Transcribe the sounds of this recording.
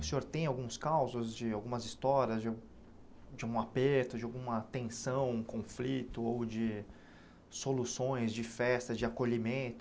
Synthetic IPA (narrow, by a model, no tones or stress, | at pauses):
ʊsẽoɾt̪ẽj̃awɡũskawzʊzd͡ʒɪawɡũmɐzist̪ɔɾiɐzd͡ʒ | d͡ʒɪawɡũapeɾt̪ʊd͡ʒɪawɡũmɐt̪ẽsɐ̃w̃ũkõflit̪ʊowd͡ʒɪ | solusõj̃zd͡ʒɪfɛst̪ɐd͡ʒɪakoʎimẽnt̪ʊ